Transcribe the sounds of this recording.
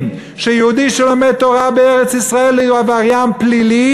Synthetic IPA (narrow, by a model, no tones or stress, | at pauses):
ʃejeud̪iʃelomed̪̚t̪oʁabeeʁet͡sisʁaelejuavaʁjamplili